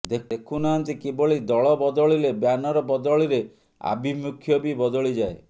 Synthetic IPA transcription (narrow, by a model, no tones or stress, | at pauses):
d̪eekʰunaɦant̪ikiboɭid̪ɔɭɔbɔd̪ɔɭilebjanɔɾɔbɔd̪ɔɭiɾe | a̰bimukʰːjɔbibɔd̪ɔɭid͡ʒae